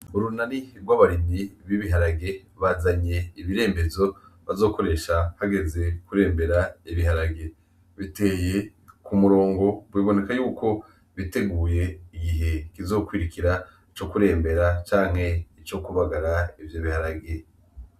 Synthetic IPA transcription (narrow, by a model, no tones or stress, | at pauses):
uɾunaniɡwaβaɾimiβiβiɦaɾaɡe̞βaːzaɲe̞iβiɾe̞ːmbe̞zo̞βazo̞ːko̞ɾe̞ʃahaɡe̞ze̞kuɾe̞ːmbe̞ɾaiβiɦaɾaɡe̞ | βite̞ːje̞kumuɾo̞ːŋɡo̞bwiːβo̞ne̞kajuːko̞ | βite̞ɡuːje̞iɡiɦe̞kizo̞kwiɾikiɾait͡ʃo̞kuɾe̞ːmbe̞ɾat͡ʃaːŋ̥he̞it͡ʃo̞kuβaɡaɾaivjoβihaɾaɡe̞